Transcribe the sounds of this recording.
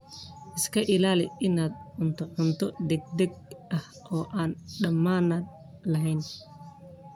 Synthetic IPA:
ʔɪskʰɐʔɪlaːlɪʔɪnaːd̪ʊnt̪ʰɐʕɔnt̪ʰɔd̪ɛɡ̚d̪ɛɡ̚ʔɐh | ʔɔːʔaːnɖɐmaːnɐd̪ | lɐɦɛjn

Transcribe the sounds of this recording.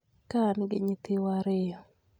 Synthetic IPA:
kanɪɡɪɲit̪ɪwaɾɪjɔ

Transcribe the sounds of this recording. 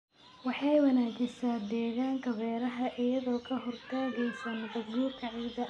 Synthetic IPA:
wɑħɑjwɐnaːd͡ʒɪsaːd̪ɛːɣaːŋkʰɐbɛːɾɐɦɐʔɪjɐðɔːkʰɐɦɔrt̪ʰaːɣɛjsɐnbɐdɡuːrkʰɐʕɪd̪ɐ

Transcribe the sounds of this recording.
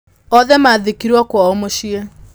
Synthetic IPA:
ɔðɛmaːðekiɾwakwaomoʃie

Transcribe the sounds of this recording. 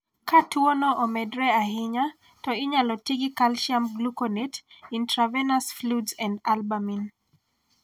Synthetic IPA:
katwɔnɔʔɔmɛdɾɛaɦɪɲa | tɔɪɲalɔtiɡikalʃamɡlukɔnetintɾavɛnasfludsɛ̃ndalbamin

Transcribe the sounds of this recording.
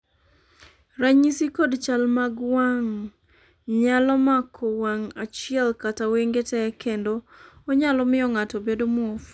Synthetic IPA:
ɾaɲisikodt͡ʃalmaɡwaŋ | ɲalɔmakʰɔwaŋat͡ʃɪɛlkataweŋɡetɛkendoːɲalɔmɪɔŋatɔbedomɔof

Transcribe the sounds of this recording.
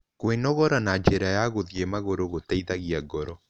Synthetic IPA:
kwenɔɣɔɾanad͡ʒeɾajaɣoðiemaɣoɾoɣotaiðaɣiaɡɔɾɔ

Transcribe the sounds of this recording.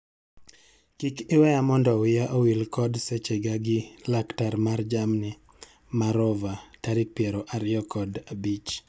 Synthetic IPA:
kikɪwɛjamɔndɔwɪjaʔowilkɔdset͡ʃeɡaɡɪlaktaɾmard͡ʒamnɪ | maɾɔvataɾɪk̚pjɛɾɔʔaɾɪɔkɔdabit͡ʃ

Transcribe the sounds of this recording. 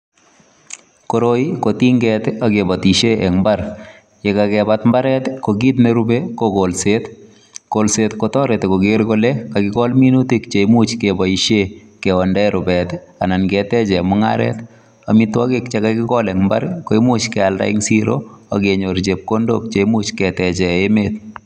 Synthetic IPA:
koɾoikotiŋɡɛt̪aɡebat̪iʃeʔɛŋmbaɾ | jekakɛbatmbaɾɛt̪koɡit̪̬neɾubekoɡolset | kolsetkotɔɾɛt̪koɡɪɾɡolekakɪɡɔlminutikt͡ʃeimut͡ʃkebaiʃekɛɔndɛɾubɛtanankɛtɛt͡ʃɛmʊŋa̰ɾɛ̰t | amitwɔkekt͡ʃekakɪkɔlɛŋmba̰ɾkoimut͡ʃkɛalda̰iŋsiɾo̰a̰keɲoɾd͡ʒep̚kondo̰k̚t͡ʃeimut͡ʃkɛtɛt͡ʃɛemet̚

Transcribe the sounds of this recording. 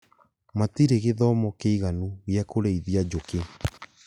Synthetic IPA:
matiɾeɣeðɔmɔkeiɣanuɣjɛkoɾeiðiad͡ʒoke

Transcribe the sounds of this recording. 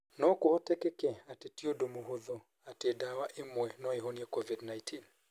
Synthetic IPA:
nɔkɔhɔtɛkɛkɛatɛtiɔdomuɦuðɔ | atɛdawaʔimwɛnɔɛɦɔniakɔvidnajtʰin

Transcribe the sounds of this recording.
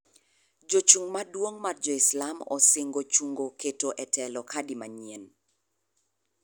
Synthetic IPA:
d͡ʒot͡ʃuŋmadwoŋmard͡ʒɔɪslamɔ̰sɪŋɡot͡ʃuŋɡoketoʔɛtʰɛlɔkʰadɪmaɲien

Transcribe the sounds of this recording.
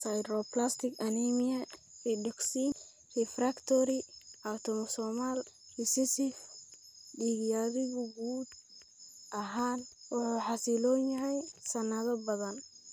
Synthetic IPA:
sajɾɔplast̪ʰɪkʰɐnimijɐridɔksiːn | rɛfrakt̪ʰɔɾiawt̪ʰɔmɔsɔːmal | disɪsɪf | ɖiːɣijaðɪɣʊɡuːd̪ | ʔɐɦaːnwʊħuːħɑsilɔːnjɐɦɛjsɐnɐðɐbɐðɐn

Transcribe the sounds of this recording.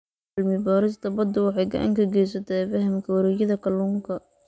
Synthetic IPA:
lmɪbaːɾɪst̪ʰɐbɐd̪ʊwɑħɑjɡɐ̰ʔa̰ŋkʰɐɡɛjs̬ɐt̪ʰɛfɐɦɪmkʰɐwɾɛjɐðɐkʰɐluŋkʰɐ

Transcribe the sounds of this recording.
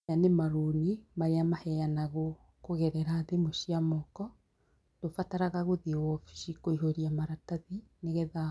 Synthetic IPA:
anemaɾonimaɾeamahɛjanaɣo | koɣɛɾɛɾaðemoʃiamɔkɔ | tofataɾaɣaɣoðiwɔfi̥ʃikoiɦoɾiamaɾataðineɣɛða

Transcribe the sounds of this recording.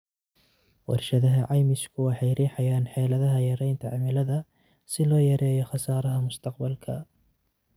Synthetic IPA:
wɑ̰rʃɐðɐɦɐʕɑjmɪskʰʊwɑħɑjɾiːħɑjaːnħɛːlɐðɐɦɐjɐɾɛjnt̪ʰɐʕɑmɪlɐðɐ | sɪlɔːjɐɾɛːjɔχɑsaːɾɐɦɐmʊst̪ʰɑqbɐlkʰɐ

